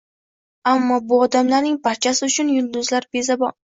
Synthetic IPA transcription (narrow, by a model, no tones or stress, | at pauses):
amːɒbʊɒd̪amlaɾnɪŋbaɾt͡ʃʰasɪʊt͡ʃʰʊnjʊlˠd̪ʊzlaɾbe̞zabɒ